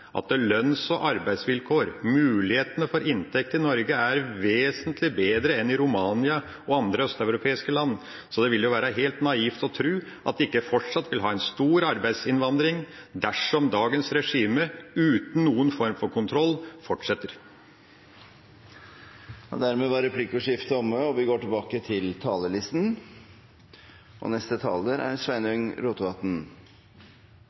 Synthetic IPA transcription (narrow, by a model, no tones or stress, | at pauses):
ʔɑ̰t̪̚lœnsɔʔɑɾbæɪsʋɪlkʰoːɾmʉːlɪheːt̪ənəfɔɾɪnt̪ʰɛk̚t̪əɪnɔɾɡəæɾʋeːsənt̪ʰlɪbeːd̪ɾəɛnɪɾʊmɑːnɪɑ | ɔɑnd̪ɾəœst̪ɑʉɾʊpʰeːɪskəlɑnː | sɔd̪ɛʋɪljʊʋæːɾɑɦeːlt̪nɑiːft̪ɔt̪ʰɾʉː | ʔɑt̪d̪ɪkːəfɔʈʂɑt̪ːʋɪlɦɑːɛnst̪uːɾɑɾbæɪd̪sɪnʋɑnd̪ɾɪŋd̪æʂɔmd̪ɑːɡənsɾɛʂiːməʉːt̪n̩nuːənfɔɾmfɔɾkʊnt̪ʰɾɔlːfɔʈʂɛt̪ːəɾ | d̪æɾmeːʋɑɾɛpʰlɪkʊʂɪft̪əɔmːəɔʋɪɡoːʈɪlbɑːkət̪ʰɪlt̪ʰɑːləlɪst̪n | ʔɔ̰nɛst̪ət̪ʰɑ̰ːləɾæ̰ɾʂʋæɪnœŋɾuːt̪ʋɑt̪n̩